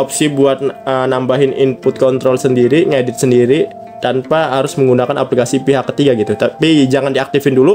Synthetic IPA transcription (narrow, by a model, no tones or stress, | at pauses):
ɔp̚sibuat̪̚ənambaɦɪnʔinpʊt̪̚kɔnt̪ɾɔlsəndiɾiŋedɪt̪̚səndiɾi | t̪anpaɦaɾʊsməŋɡunakanaplikasipiɦakːə̥t̪iɡaɡit̪ut̪apid͡ʒaŋandiak̚t̪ɪfɪndulu